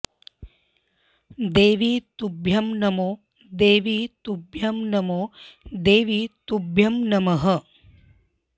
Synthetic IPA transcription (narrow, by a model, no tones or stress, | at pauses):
d̪eːʋit̪ubʱjɐmnɐmoː | d̪eːʋit̪ubʱjɐmnɐmoːd̪eːʋit̪ubʱjɐmnɐmɐɦɐ̆